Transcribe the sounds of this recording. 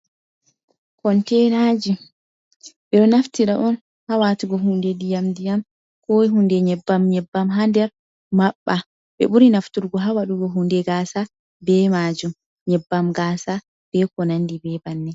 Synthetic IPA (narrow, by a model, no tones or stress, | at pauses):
kɔntɛnaːd͡ʒi | ɓɛɗɔnaftiɾaʔɔn | hawatuɡɔɦundɛdijamdijam | kɔɦundɛɲɛbːamɲɛbːamɦandɛɾ | maɓːa | ɓɛ̰ɓuɾinaftuɾɡɔɦawaɗuɡɔɦundɛɡaːsa | bɛmad͡ʒum | ɲɛbːamɡaːsa | b̥ɛkɔnandibɛbanːɛ